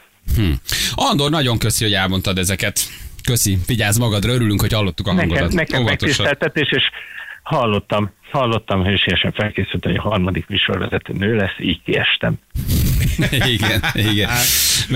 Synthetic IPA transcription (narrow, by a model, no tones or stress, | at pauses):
hm̩ɒnd̪ornɒɟo̞ŋkø̞siho̞ɟɛlmo̞nt̪ɒd̪ɛzɛkɛt̪kø̞siviɟaːzmɒɡɒd̪rɒøɾylyŋkho̞chɒlːo̞t̪ːukɒɒnɛŋɡoɛlɒt̪nɛkɛomːvmɛk̪̚oiʃt̪ɛlt̪ɛt̪eːʃeːʃhɒlːo̞t̪ːɒmhɒlːo̞t̪ːɒmɦøʃijɛʃɛɱfɛlkeːsylt̪ɛmojɟɒhɒrmɒd̪ikmiʃo̞̰rvɛ̰zɛt̪øːnøːlɛsːiːckiɛ̰ʃt̪ɛ̰m | iɡɛniɡɛn